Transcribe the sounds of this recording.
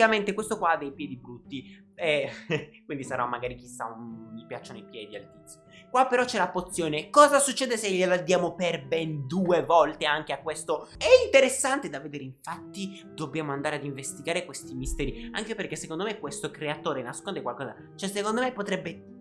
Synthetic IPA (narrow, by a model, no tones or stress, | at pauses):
kament̪ekwest̪okwaad̪ːejpjɛːd̪ibɾut̪ːi | ɛkwind̪isaɾamːaɡaːɾik̟isa̰mipjat͡ʃːonoipjɛːd̪ia̰lt̪it̪sːjokwapːeɾɔt͡ʃːɛlapot̪sːjoːnekɔːzasut͡ʃːeːd̪eseʎelad̪jaːmoperbɛnd̪uːevɔlt̪eaŋk̟eakːwest̪oɛint̪eɾesːant̪ed̪avːed̪eːɾeiɱfat̪ːi | d̪objaːmoand̪aɾead̪iɱvest̪iɡaːɾekwest̪imist̪ɛːɾia̰ŋkeperkesːekond̪omekːwest̪okɾeat̪oːɾenaskond̪ekwalkɔːza̰ | t͡ʃɛsekond̪omepːot̪ɾɛbːe